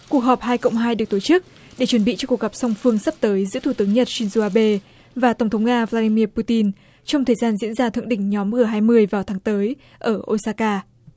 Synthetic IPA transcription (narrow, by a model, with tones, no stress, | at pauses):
ku˨˩ək̚ɦɔ˨˩p̚haː˧jkə̰˧˨wŋ͡mɦaː˧jɗɨ˨˩ək̚t̪o˧˩t͡ɕɨ˦˥k̚ | ɗe˧˩t͡ɕwə˧˩nɓḭ˧˨t͡ɕɔ˧ku˨˩ək̚ɣa˨˩p̚sa˧wŋ͡mfɨ˧əŋsə˦˥p̚t̪əː˨˦jzɨ̰˧˥t̪ʰu˧˩t̪ɨ˨ə˦ŋɲə˨˩t̚si˧nzu˧ʔaː˧ɓe˧ | vaː˨˩t̪ə˧˩wŋ͡mt̪ʰwŋ͡mŋaː˧vlaː˧ɗi˧mi˧əpu˧t̪i˧n | t͡ɕɔ˧wŋ͡mt̪ʰəː˨˩jzaː˧nzḭ˧˥ənzaː˧t̪ʰɨ̰˧˨ŋ̚ɗḭ˧˩ŋ̟ɲɔ˨˦mmɨ˨˩əɦaː˧jmɨ˧əjvaː˨˩wt̪ʰaː˨˦ŋt̪əː˨˦j | ʔəː˧˩ʔo˧saː˧kaː˧